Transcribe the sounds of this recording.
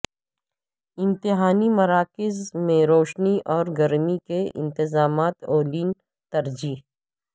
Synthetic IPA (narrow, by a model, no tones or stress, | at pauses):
ɪ̃mt̪ɪɦaːnimɐɾaːkɪzmẽɾoːʃniʔɔːɾɡɐɾmikeɪ̰̃nt̪ɪzaːmaːt̪oːliːn | t̪ɐɾd͡ʒiː